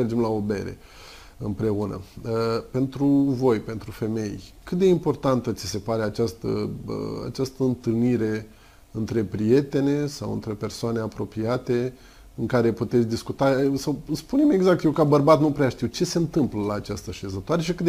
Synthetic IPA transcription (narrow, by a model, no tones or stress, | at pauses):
erd͡ʒemlao̞be̞̰ɾḛ | ɨmpɾe̞unə̰pe̞nt̪ɾuvo̞jpe̞nt̪ɾufe̞me̞jkɨt̪̚d̪e̞impo̞rt̪ant̪ət̪sise̞paɾe̞at͡ʃast̪ə̰a̰t͡ʃast̪əɨnt̪ɨlniɾe̞ | ɨnt̪ɾe̞pɾije̞t̪e̞ne̞sawɨ̰nt̪ɾe̞pe̞rsoaneapɾo̞piat̪e̞ | ɨŋkaɾe̞put̪et̪sʲd̪iskut̪asawspuneme̞ɡzakt̪jewkabərbat̪nupɾeaʃt̪iwt͡ʃe̞se̞ɨnt̪ɨmpləlaːt͡ʃast̪əʃe̞zət̪oaɾe̞ʃikɨt̪